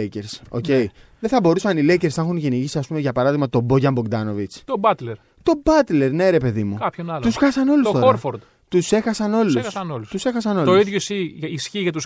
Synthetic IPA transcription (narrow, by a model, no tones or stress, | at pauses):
ceɾso̞̰ce̞i | ðeθɐbo̞ɾusɐnile̞ce̞ɾsnɐxunʝeniʝisiɐspume̞ʝɐpɐɾɐðiɣmɐt̪o̞bo̞ʝɐmboɡd̪ɐno̞vit͡st̪obɐt̪leɾ | t̪o̞bɐt̪le̞ɾne̞ɾe̞pe̞ðimukɐpçonɐlt̪usxɐsɐno̞lusst̪o̞oɐɾfoɾd̪ | t̪use̞xɐsɐno̞lusɐsɐnolust̪use̞xɐsɐno̞lt̪oiðʝosiisçiʝɐt̪us